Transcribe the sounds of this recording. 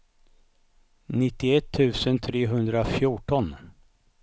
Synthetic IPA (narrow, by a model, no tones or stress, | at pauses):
nɪt̪ːɪɛt̪ʰːʉ̟ːsənt̪ʰɾeːɦɵnd̪ɾafjuʈɔn